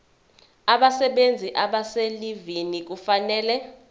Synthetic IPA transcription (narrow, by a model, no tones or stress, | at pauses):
aɓasɛɓend͡zʱiʔaɓaselivinik̬ufanɛːlɛ